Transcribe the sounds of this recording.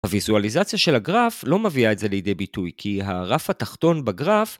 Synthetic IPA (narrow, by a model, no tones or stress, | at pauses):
havizualizat͡sjaʃe̞laɡʁaflo̞meviaetze̞lejide̞jbitujkʰiɦaʁafhataχto̞nbaɡʁaf